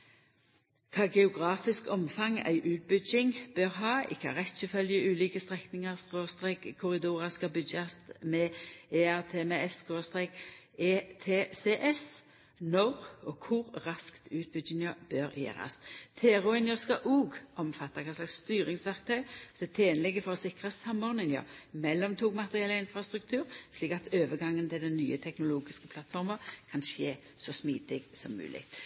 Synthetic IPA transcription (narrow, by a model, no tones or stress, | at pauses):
kʰɑːɡɛʊɡʁɑːfɪskɔmfɑŋæ̰ɪʔʉːt̪̚bʏd͡ʒɪŋb̥øʁɦɑːɪ̰kːɑ̰ʁɛt̪səfœljəʔʉːliːkəst̪ʁɛknɪŋəʁskoːst̪ʁeːkkʰːʊʁɪd̪uːʁɑskɑbʏd̪jɑst̪mɛeːæʁt̪ʰeːmɛɛsɡ̥oːst̪ʁeːk | eːt̪ʰeːseːʔɛs | nɔʁɔːkʰʊʁʁɑskt̪ʰʉːt̪̚bʏdɪŋəbøɾjæ̰ːɾɑ̰st̪ʰeːɾʊɪnjəskɑʔuːɡʔɔmfɑt̪ːɑkʰɑslɑksst̪yːɾɪŋsʋæʁk̚t̪ʰœʏsɔd̪ɛt̪ʰeːnəlɪɡəfɔʁɔsɪkʁəsɑmːɔʁnɪŋə̰mɛlːɔmt̪ʰuːɡmɑt̪əʁɪɛlːəɪnfʁɑst̪ʁʉkt̪ʰʉːɾsliːkɑt̪ʰøːʋəɡɑŋːənt̪ɪld̪ɛnːyːət̪ʰɛknʊluːɡɪskəpʰlɑt̪fɔʁməkʰɑnʃeː | sɔsmiːd̪ɪɡsɔmːʉ̰ːlɪ̰ɡ